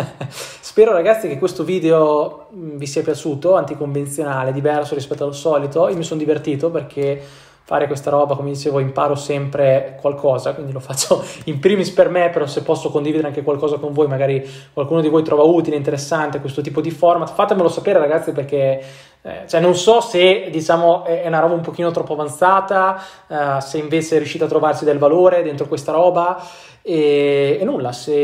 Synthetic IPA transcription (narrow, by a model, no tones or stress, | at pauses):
spɛːɾoɾaɡat̪sːikekːwest̪oviːd̪eo | mvisiːapjat͡ʃuːt̪oant̪ikoɱvent̪sjonaːled̪ivɛrsoɾispɛt̪ːoalːosɔːlit̪oiomisond̪ivert̪iːt̪operkʰe | fa̰ɾekwest̪aɾɔːbakomemd̪it͡ʃeːvoimpaːɾosɛmpɾekwalkʰɔːzakwind̪ilofat͡ʃːoimpɾiːmispermepeɾɔsepːɔsːokond̪ivid̪eɾeaŋkekwalkɔːzakoɱvoːjmaɡaːɾi | kwalkuːnod̪ivojt̪ɾʔɔːvauːt̪ileint̪̬eɾesːant̪ekwest̪ot̪iːpod̪ifɔrmat̪ːfat̪emelosapeːɾeɾaɡat̪sːip̬erkḛ | t͡ʃoɛnːonsɔsed̪it͡ʃaːmoɛɛunaɾɔːbaumpok̟iːnot̪ɾɔpːavant̪saːt̪a | seiɱveːt͡ʃeɛrːjuʃːiːt̪at̪ːɾovarsid̪elvaloːɾed̪ent̪ɾokwest̪aɾɔːba | eːnːulːase